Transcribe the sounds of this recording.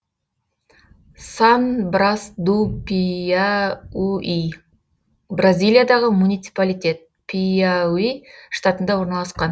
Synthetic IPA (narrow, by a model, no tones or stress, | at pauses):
sɑnbɾasd̪upiaui | brazʲijlʲijad̪ɑʁəmunijt̪sɨ̥palʲijt̪e̞t̪̚ | pʰiawiʃt̪at̪ənd̪ɑwo̞ɾnɑlˠɑsqɑn